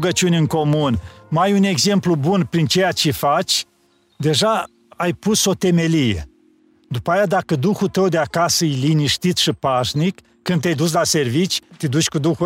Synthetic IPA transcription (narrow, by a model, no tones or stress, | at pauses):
ɡət͡ʃiunʲɨŋko̞munmajune̞ɡze̞mplubunpɾint͡ʃejat͡ʃefat͡ʃʲ | d̪e̞ʒa | ajpuso̞t̪e̞me̞lijḛ | d̪upajad̪akəd̪uxut̪əwd̪eakasəɨijliniʃt̪it̪sʃipaʃnikːɨnd̪ajd̪us̬lase̞rvit͡ʃʲt̪id̪ut͡ʃʲkud̪uxu